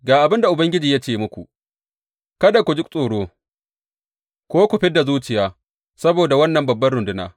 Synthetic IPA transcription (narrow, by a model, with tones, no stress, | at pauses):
ɡaː˨ʔa˨bɪ˦nda˨ʔʊ˨bɐ˦ŋɡʲɪ˦d͡ʒiː˨ja˦t͡ʃeː˦˨mʊ˦kʷṵ˨ | kɐ˦da˨kʷu˨d͡ʒʊ˦k̚sʼoː˨ɽoː˦ | kʷoː˦kʷʊ˨ɸɪ˦da˨zuː˦t͡ʃɪ˨jaː˦ | sɐ˦boː˨da˨wɐ˦nːɐ˨mbɐ˨bːɐ˦rɽʊ˨ndʊ˦na̰ː˨